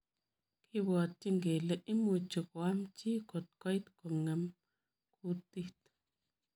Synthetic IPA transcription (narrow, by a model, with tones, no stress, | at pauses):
kʰi˦wa˨t̪ːi˦ŋɡe˨le˦˨ʔi˦mu˨t͡ʃu˨kwa˦mt͡ʃi˦ko˨t̪̚ko˦jt̪ko˨ŋe˨m | kʰu˦t̪i˦t̪